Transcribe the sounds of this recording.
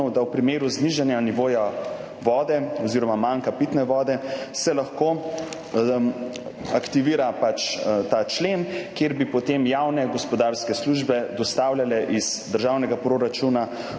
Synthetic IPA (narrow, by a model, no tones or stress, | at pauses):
wd̪awpɾimeːɾuzniʒanjaniʋoːja | ʋɔːd̪ɛɔziɾɔmamaŋkapit̪nɛʋɔːd̪ɛsɛlaxko | akt̪iʋiːɾapat͡ʃt̪at͡ʃleːnkjeɾbipɔt̪emjawnɛɡɔspɔd̪aːɾskɛsluʒbɛd̪ɔst̪aːwlʲjalɛʔiz̥d̪əɾʒaːwnɛɡapɾoɾat͡ʃuna